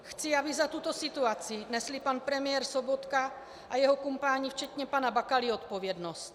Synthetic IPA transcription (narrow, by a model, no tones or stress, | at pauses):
xt͡sɪabɪzat̪ːut̪o̞sɪt̪uat͡sɪnɛslɪpanpɾɛmɪjɛɾsobot̪ka | ʔajɛɦo̞kumpaːɲift͡ʃɛt̪ɲɛpanabakalɪot̪po̞vjɛdno̞st̪